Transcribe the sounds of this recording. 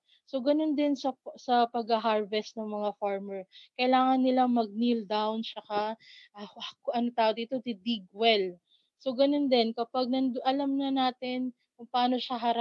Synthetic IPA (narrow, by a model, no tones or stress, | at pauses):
so̞ɡɐno̞nd̪ɪnsɐsɐpɐɡɐɦaɹvɛst̪̚nɐŋmɐŋafaɹmɛɹkɐɪlaːŋɐnːɪlaŋmɐɡ̚nild̪awnt͡ʃɐkaʔɐakʊʔɐnot̪aːʔod̪iːt̪o̞t̪ɪd̪iɡwɛl | soɡɐno̞nd̪ɛnkɐpaɡ̚nɐnd̪ʔɐlamnɐnaːt̪ɪn | kʊŋpaːno̞ʃaɦɐɾa